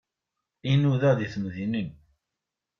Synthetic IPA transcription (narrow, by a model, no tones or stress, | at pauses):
inuðæðiθmðinən